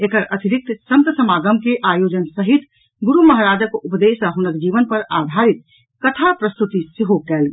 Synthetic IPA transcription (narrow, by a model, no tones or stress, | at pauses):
ekəɾɐt̪ɪɾɪk̚t̪sɐ̃nt̪əsəmaːɡəmkeʔaːjoːd͡ʒənsəɦit̪ | ɡʊɾumɐɦaɾaːd͡ʒəkʊpd̪eːsəɦʊnək̚d͡ʒiːʋənpɐɾad̪ʱaːɾɪt̪̚ | kɐt̪ʰapɾəst̪ut̪isɪɦokɛːlɡ